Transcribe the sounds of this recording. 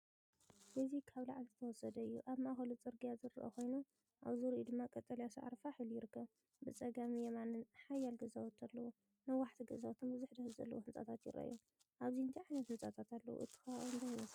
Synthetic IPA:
ʔɨzikʰaβlaʕlzɨt̪ʰɐwɔsɐd̪ɐɨjːṵʔaβmaxɐlut͡sʼɨɾɡijazɨɾɨʔo̰kʰo̞jnu | ʔa̰βzuɾid̪ɨmːakʼɐt̪ʼːɐljasa̰ʕa̰ɾfaħɨlujɪɾɨkʰːɐβ | bɨt͡sʼɐɡamijɛmanɨnħajːalɡɐzawɔt̪ʰalːɐwu | nɐwaħt̪ʰiɡɐzawt̪ʰombɨzʊħd̪ɐhɨzɐ̰lːɐ̰wuhɨnt͡sʼa̰t̪ʰat̪jɪ̰rʔɐ̰ʔj̰u | ʔaβziɨnt̪ʰiʕajnɐt̪hɨnt͡sʼat̪ʰat̪alːɐ̰wṵʔɨt̪ʰːɨ̥xɐβaiɨnd̪ʰajmɐs

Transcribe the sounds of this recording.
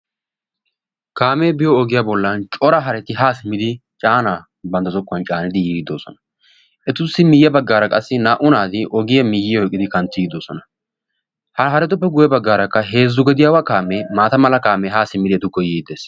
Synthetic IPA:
kaːme̞ːbɪjɔɔɡɪjaːbɔlːɐnt͡ʃʼɔɾɐɦɐɾɛt̪ːɪɦaːsɪmːɪd̪ɪt͡ʃʼaːnaː | bɐnd̪ɐzɔkːʊɐnt͡ʃʼaːnɪd̪ɪjiːɡd̪o̞ːsɔ̰nɐ | ʔɛt̪ʊsːɪmɪjːɐbɐɡːaːɾɐkʼɐsːɪnaːʔʊnaːd̪ɪʔɔɡɪjɐmɪjːɪjɔɛkʼːɪd̪ɪkɐnt̪ːɪɡɪd̪oːsɔnɐ | hɐɦɐɾɛt̪̬ʊp̬ːɛɡʊjɐbɐɡːaːɾɐkːɐɦe̞ːzːʊɡɛd̪ɪjaːwakaːmeːmaːt̪ɐmɐlɐkaːmeɦaːsɪmːɪd̪ɪɛt̪ʊkːɔjiːd̪eːs

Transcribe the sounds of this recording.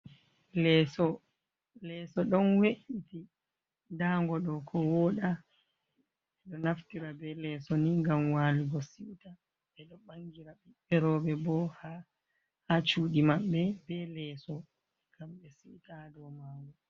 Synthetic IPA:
lɛsɔ | lɛsɔɗɔnweʔiti | daːŋɡɔɗɔkʰɔwɔɗa | ɛɗɔnaftiɾabɛlɛsɔniŋɡamwaliɡɔsita | ɛɗɔɓaŋɡiɾaɓiɓɛɾɔɓɛbɔha | hat͡ʃuːɗimaɓːɛbɛlɛːsɔ | kamɓɛsiwtadɔmaɡu

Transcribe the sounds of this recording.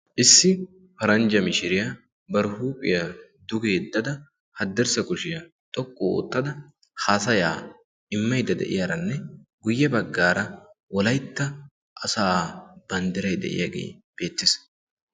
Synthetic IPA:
ʔɪsːɪ | pɐɾɐnd͡ʒɐmɪʃɪɾɪjaː | bɐɾʊhuːpʼːɪja | d̪ʊɡeːd̪ːɐd̪ɐ | hɐd̪ːɛɾsɐkʼʊʃɪjɐ | t̪ʼɔkʼːoo̰ːt̪ːɐd̪ɐ | haːsɐjaː | ɪmːɐjd̪ɐd̪ɛ̰ʔɪjaɾɐnːɛɡʊjːɛbɐɡːaːɾɐwɔlɐjt̪ːɐ | ʔɐsaːb̥ɐnd̪ɪɾɐjd̪ɛ̰ʔɪ̰jaːɡḛːb̥e̞ːt̪ːɪs

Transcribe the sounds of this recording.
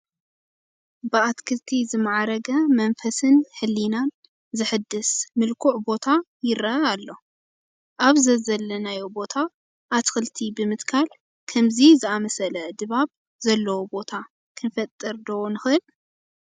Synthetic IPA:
bɨat̪kʰɨlt̪ʰizɨmːaʕaɾɐɡɐmɐnfɐsɨnħɨlːinan | zɨħɨd̪ːɨsmɨlkʰuʕbo̞t̪ʰa | jɪɾɐalːo̞ | ʔaβzɐzɐlːɐnajobo̞t̪ʰa | ʔat̪kʰɨlt̪ʰibɨmɨt̪kʰal | kʰɐmzizɨamɐsɐlɐd̪ɨβaβ | zɐlːɐwobo̞t̪ʰa | kʰɨnfɐt̪ʼːɨɾd̪owonɨxɨɨl

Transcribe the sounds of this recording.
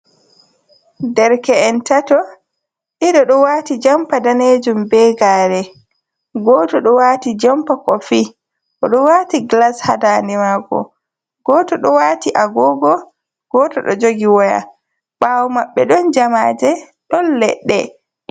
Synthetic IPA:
dɛɾkɛɛntatɔ | ʔiɗɔɗɔwaːtid͡ʒampadaned͡ʒumbɛɡaːɾɛ | ɡɔtɔɗɔwaːtid͡ʒampakɔfi | ʔɔɗɔwatiɡlashadaːndɛmaːɡɔ̰ | ɡ̥ɔːtɔɗɔwaːtiʔaɡɔɡɔ | ɡ̥ɔtɔɗɔ̰d͡ʒoɡiwɔja̰ | ɓawɔmaɓːɛɗɔnd͡ʒamaːd͡ʒɛ | ɗɔnlɛɗːɛ̰

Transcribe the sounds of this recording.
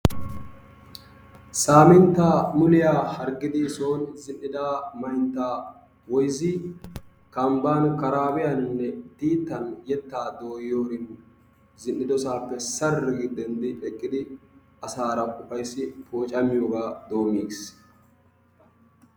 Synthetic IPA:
saːmɪnt̪ːaːmʊlɪjaːhɐɾɡɪd̪ɪsoːnzɪnːɪd̪aːmɐjnt̪ːaː | wɔjzɪ | kɐmbaːnkɐɾaːbɪjɐnnːɛd̪iːt̪ːɐnjɛt̪ːaːd̪o̞ːjjoːɾɪn | zɪnːɪd̪ɔsaːpːɛsɐrːɪɡɪd̪ɛnd̪ɪᶑɛkʼːɪd̪ɪ | ɐsaːɾɐkʼʊpɐjsːɪfo̞ːt͡ʃʼɐmɪjoːɡaːd̪o̞ːmiːs

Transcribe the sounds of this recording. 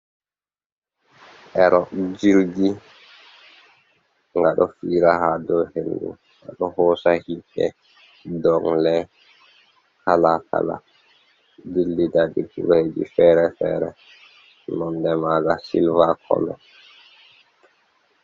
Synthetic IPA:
ʔɛɾʔɔd͡ʒilɡi | ŋɡaɗɔfiːɾahadɔhenːṵ | ŋɡaɗɔhɔːsahiɗɛ̰ | dɔŋlɛ | kalaka̰la̰ | dilːidaɗikuɡɔhed͡ʒḭfɛːɾɛfɛ̰ːɾɛ | nɔndɛmaɡasḭlvakʰɔ̰lɔ

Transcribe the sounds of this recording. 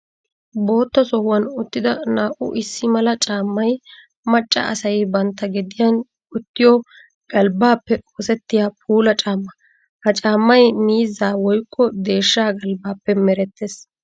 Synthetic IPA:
bo̞ːt̪ːɐsɔhʊwɐnʊt̪ːɪd̪ɐnaːʔʊ̰ʔɪsːɪmɐlɐt͡ʃʼaːmːɐj | mɐt͡ʃʼːɐ̰ɐsɐjbɐnt̪ːɐɡɪd̪ɪjɐn | ʊt̪ːɪjɔ | ɡ̥ɐlbaːpːɛoːsɛt̪ːɪjaːpʰuːlɐt͡ʃʼaːmːɐ | hɐt͡ʃʼaːmːɐjmiːzaːwɔjkʼːɔd̪e̞ːʃːaːɡɐlbaːpːɛmɛɾɛt̪ːes

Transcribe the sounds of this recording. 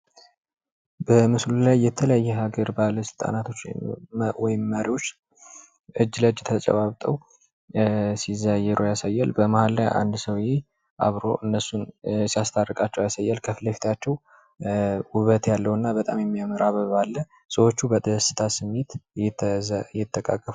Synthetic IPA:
bəmɨslulajːɛt̪ʰələjajːɛɦaɡəɾbaləsɨlt̪ʼa̰nat̪ʰo̞t͡ʃː | wɔjɪmːəɾiwo̞t͡ʃː | ʔɨd͡ʒːləd͡ʒɛt̪ʰət͡ʃʼə̰βaβt̪ʼəw | sizajːɛɾojasajːalbəmahalːajʔa̰nd̪səwje | ʔa̰βɾo̞̰ʔɨnːəsːunsijast̪ʰarːəkʼat͡ʃːɛwjasajːalkʰəfləfi̥t̪ʰat͡ʃːɛw | wʊβət̪jalːəwɨnːabət̪ʼa̰mjɛmːijaməɾaβəβalːə | səwo̞t͡ʃːubəd̪əsɨ̥t̪ʰasɨmːe̞t̪ɛjɛt̪ʰʼːəkʼa̰kʼːəf

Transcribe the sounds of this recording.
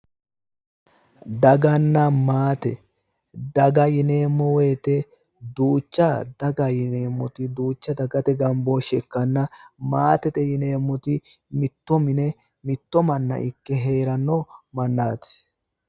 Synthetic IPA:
d̪ɐɡɐnːɐmaːt̪ɛ | d̪ɐɡɐjɪne̞ːmːɔweːt̪ɛ | d̪uːt͡ʃːɐd̪̥ɐɡɐjɪne̞ːmːɔt̪ɪd̪uːt͡ʃːɐd̪ɐɡɐt̪ɛɡɐmboːʃɛkːɐnːɐmaːt̪ɛt̪ɛjɪne̞ːmːɔt̪ɪ | mɪt̪ːɔmɪnɛ | mɪt̪ːɔmɐnːɐ̰ʔɪkːɛɦe̞ːɾɐnːɔmɐnːaːt̪

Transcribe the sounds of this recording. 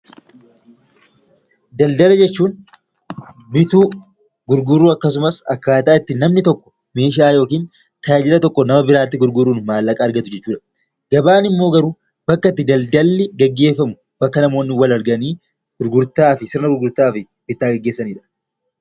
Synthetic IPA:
d̪ɐld̪ɐlɐd͡ʒɛt͡ʃːuːn | mɪt̪uː | ɡʊɾɡʊrːuːɐkːɐsʊmɐsɐkːaːt̪aːɪt̪ːɪnɐmnɪt̪ɔkːɔ̥ | me̞ːʃ̬aːjo̞ːkiːn | t̪ʰɐjaːd͡ʒɪlɐt̪ɔkːɔnɐmɐbɪɾaːt̪ːɪɡʊɾɡʊɾuːnmaːlːɐkʼɐːɾɡɐt̪ʊd͡ʒɛt͡ʃːuːᶑɐ̥ | ɡ̥ɐbaːnɪmːo̞ːɡɐɾuː | b̥ɐkːɐt̪ːɪd̪ɐld̪ɐlːɪɡɐɡːe̞ːfːɐmʊ | b̥ɐkːɐnɐmo̞ːnːɪwɐlɐɾɡɐniː | ɡ̥ʊɾɡʊɾt̪aːfɪsɪɾnɐɡʊɾɡʊɾt̪aːfɪ | bɪt̪ːaːɡɐɡːe̞ːsːɐniːᶑɐ̥

